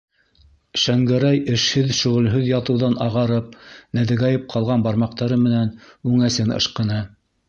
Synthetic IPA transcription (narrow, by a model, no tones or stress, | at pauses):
ʃæŋɡɘ̆ɾæjɘ̆ʃhɘðʃɵ̆ʁɘ̆lɦɵðjɑt̪ɤ̆wðɑnɑʁɑɾɤp̚næðɘ̆ɡɑjɤp̚qʰɑlˠʁɑnbɑɾmɑqt̪ɑɾɤmɘ̆nænʉŋæsɘnɤ̰̆ʃqɤ̆nɤ